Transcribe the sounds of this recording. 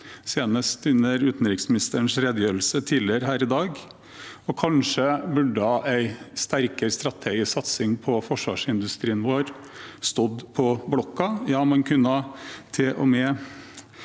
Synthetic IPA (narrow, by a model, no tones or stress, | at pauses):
seːnəst̪ʉnːəɾʉːt̪n̩ɾɪksmɪnɪst̪əɾəɳsɾed̪jøːɾlsət̪ʰiːlɪəɾəɦæːɾɪd̪ɑːɡ | ɔkʰɑnʂəbʉɖəhɑʔæɪst̪æɾkəɾst̪ɾɑt̪ʰeːɡɪsɑt̪sɪŋpʰɔfɔʂʋɑ̰ːʂɪnd̪ʉst̪ɾiːənʋoːɾ | st̪ɔd̪pʰɔblɔkːɑjɑːmɑnkʰʉnːɑt̪ʰɪlʔɔ̰mɛː